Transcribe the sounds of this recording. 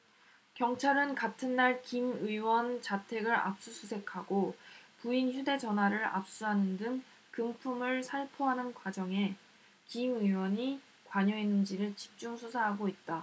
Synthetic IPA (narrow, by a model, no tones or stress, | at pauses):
kjʌŋt͡ɕʰaɾɯnkatʰɯnːaɭkimɯiwʌnt͡ɕatʰe̞ɡɯɾa̰p̚s͈usʰusʰe̞kʰaɡopuinçjude̞d͡ʑʌnɦwaɾɯɾa̰p̚s͈uɦanɯndɯŋ | kɯŋpʰumɯɭsʰaɭpʰoɦanɯnkwad͡ʑʌŋe̞ | kimɯwʌɲi | kwaɲʌenːɯnd͡ʑiɾɯɭt͡ɕi̥p̚t͡ɕ͈uŋsʰusʰaɦaɡoit̚t͈a